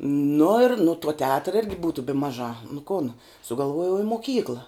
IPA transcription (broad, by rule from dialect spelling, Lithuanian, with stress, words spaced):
nʊ ɪr nʊ tuɔ tʲɛˈɑːtrɐ ˈɪrʲɡʲɪ ˈbuːtʊ bʲɪ ˈmɑːˌʒɑː nʊ koːn sʊɡɐlˠˈʋuɔjɛʊ ɪ moːˈkʲiːklˠɐ